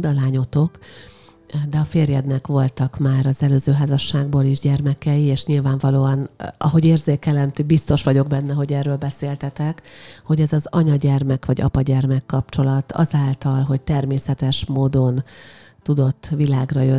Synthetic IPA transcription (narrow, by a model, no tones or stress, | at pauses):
d̪ɒlaːɲo̞t̪o̞k | d̪ɛɒfeːrjɛd̪nɛkʋo̞lt̪ɒkmaːɾɒzɛløːzøːɦaːzɒʃːaːɡ̚boːliʒɟɛrmɛkɛjieːʃɲilvaːɱvɒloːɒnɒɦo̞ɟeːrzeːkɛlɛnt̪ibist̪o̞ʃʋɒɟo̞ɡbɛnːɛɦo̞ɟɛːrːøːlbɛseːlt̪ɛt̪ɛkho̞ɟɛzɒzɒɲɒɟɛrmɛkʋɒɟɒ̰pɒɟɛrmɛkːɒp̚t͡ʃo̞lɒt̪ʰɒ̰zaːlt̪ɒlɦo̞c̚t̪ɛrmeːsɛt̪ɛʃmoːd̪o̞nt̪ud̪o̞t̪ːʋilaːɡrɒjø